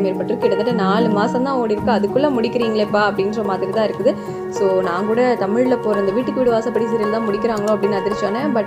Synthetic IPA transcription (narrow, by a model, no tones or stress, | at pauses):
meːɾpɐʈːrɾɯkːɪɽɐt̪ːɐʈːɐnaːlɯmaːsɐ̃mt̪ãːoːɽɪɾɯkːɯɐðɯkːɯlːamʊɽɪkːɪɾiːŋɡɐɭɛpːaːɐpːɐɽɪnɾɐmaːt̪ɯkːɐt̪ãːɪɾɯkːɯðɯ | soːnãːŋkuːɽɐt̪ɐmɪɻlɐpːoːɾɐɐnd̪ɐʋiːʈːɯkːɯʋiːɽɯʋaːsɐpːɐɽis̬ɪɾɪlt̪ãːmʊɽɪkːɪɾaːŋɡɐɭõːɐpːɐɽɪnːɯɐðɪɾɪt͡ʃːaːnɐbɐ